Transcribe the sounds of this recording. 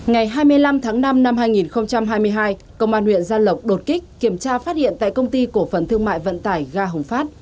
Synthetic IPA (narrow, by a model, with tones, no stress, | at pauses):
ŋa˨˩jɦaː˧jmɨ˧əjla˧mt̪ʰaː˨˦ŋna˧mna˧mhɦaː˧jŋi˨˩nxə˧wŋ͡mt͡ɕa˧mɦaː˧jmɨ˧əjɦaː˧j | kə˧wŋ͡mʔaː˧nwḭ˧˨ənzaː˧lə˨˩wk͡p̚ɗo˨˩t̚kï˦˥k̟̚ki˧˩əmt͡ɕaː˧faː˦˥t̚hḭ˧˨ənt̪a̰ː˧˨jkə˧wŋ͡mt̪i˧ku˧˩əfə˨˩nt̪ʰɨ˧əŋma̰ː˧˨jvə̰˧˨nt̪aː˧˩jɣaː˧ɦə̰˨˩ŋ͡mfaː˦˥t̚